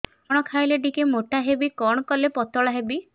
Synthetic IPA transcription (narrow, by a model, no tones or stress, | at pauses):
ɔɽ̃ɔkʰajleɖikemoʈaɦebikɔɽ̃ɔkɔlepɔt̪ɔɭaɦebi